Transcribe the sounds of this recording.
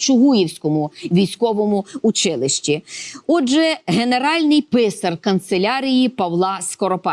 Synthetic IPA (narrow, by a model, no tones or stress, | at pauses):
t͡ʃʊɦujiwsʲkɔmʊʋʲijsʲkɔʋɔmʊʊt͡ʃɪlˠɪʃt͡ʃʲiɔʒɛɦene̞ɾɑlʲnɪjpɪsɐrkɐnt̪selʲɑɾʲijipɐwlˠɑskɔɾɔpɑ